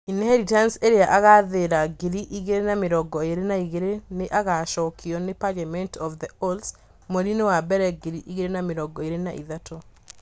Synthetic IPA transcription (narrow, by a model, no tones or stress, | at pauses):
inɛɾitanseɾeaʔaɣaðeɾaɡiɾiʔiɣeɾenameɾɔɡɔeɾenaiɣeɾeneʔaɣaʃɔkʰiɔnepalamɛntɔfðɛols | moɾinewabɛɾɛɡiɾiʔiɣeɾenameɾɔɡɔeɾenaʔiðatɔ